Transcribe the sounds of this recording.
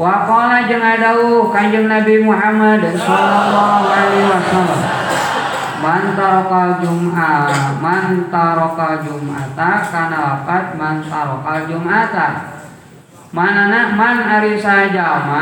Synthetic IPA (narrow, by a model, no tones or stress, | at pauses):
wapalad͡ʒəŋadaukaɲd͡ʒəŋnabimuɦamadsɔlɔlːɔɦualiwasalam | mant̪aɾɔkald͡ʒumamant̪aɾɔkald͡ʒuma̰t̪akanalapat̪̚mant̪aɾɔkald͡ʒumat̪a | mananamanaɾisad͡ʒama